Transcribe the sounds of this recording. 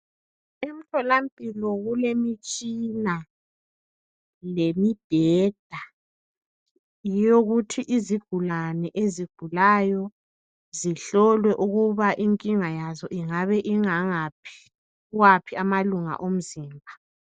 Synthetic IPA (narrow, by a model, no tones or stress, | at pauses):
em̩tʰɔlampʼilɔɣulemit͡ʃʼina | lemid̥ʱɛːd̥ʱa | ijoɣutʰiʔiziɡ̥ʱulanɛʔeziɡ̥ʱulajɔ | ziɬɔlwɛʔuɣuβaʔiŋkʼiŋajazɔʔiŋaβɛʔiŋaŋapʰi̥ | uwapʰiamaluŋa̰ʔom̩ziːmbʱa